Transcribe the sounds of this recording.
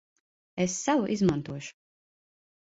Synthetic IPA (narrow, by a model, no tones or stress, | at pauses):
esːavuʔizmant̪uɔʃu̥